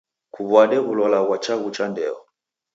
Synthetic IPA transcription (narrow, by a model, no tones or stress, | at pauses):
kuβwadɛβulɔlaɣwat͡ʃaɣut͡ʃandɛ̰ɔ